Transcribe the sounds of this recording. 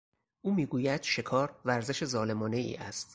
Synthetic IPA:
ʔuːmiːɡuːjæd̪̥ʃe̞kʰɒːɾvæɾze̞ʃe̞zɒːle̞mɒːne̞ḭːʔæst̪

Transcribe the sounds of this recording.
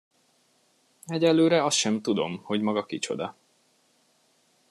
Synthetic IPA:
ɛɟɛlːøːɾɛɒst̪ʃɛmt̪ud̪o̞̰mho̞ɟmɒɡɒkit͡ʃo̞̰d̪ɒ

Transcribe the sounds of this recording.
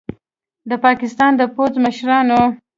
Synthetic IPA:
d̪əpɑkɪst̪ɑnd̪əpod͡zməʃɾɑno

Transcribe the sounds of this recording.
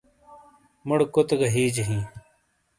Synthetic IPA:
mʊɽkʊt̪ɡɐɦiːd͡ʑɦĩː

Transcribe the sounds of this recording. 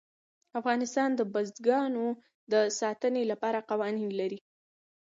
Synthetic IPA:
afɣɑnɪst̪ɑnd̪əbazd̪ɡɑno | d̪əsɑt̪ənelapɑɾaqawɑninlaɾi

